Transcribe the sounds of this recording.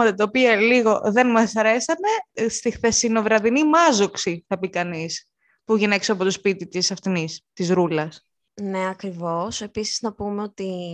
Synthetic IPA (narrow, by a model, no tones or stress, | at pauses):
ɐt̪ɐt̪ɐopiɐliɣo̞ðe̞nmɐsɐɾe̞sɐne̞st̪ixθe̞sino̞vɾɐðinimɐzo̞ksiθɐpikɐnis | puʝinekseɐpo̞t̪ospit̪it̪isɐft̪inist̪izɾulɐs | ne̞ɐkɾivo̞se̞pisiznɐpumeot̪i